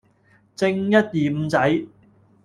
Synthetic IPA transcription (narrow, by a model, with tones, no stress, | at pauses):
t͡sɪ˧ŋjɐ˥t̚jiː˨˩m̩˨˧t͡sɐ˨˥j